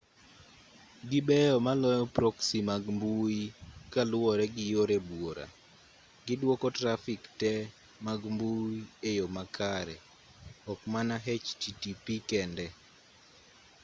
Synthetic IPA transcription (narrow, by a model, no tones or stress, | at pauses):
ɡɪbɛjɔmalɔjɔpɾoksimaɡmbuikalʊwɔɾɛɡɪjoɾɛbwoɾa̰ | ɡɪdwɔkɔtɾafiktɛ | maɡmbuiejomakʰaɾɛ̰ | ɔkmanaɦɛt͡ʃtitipikɛndɛ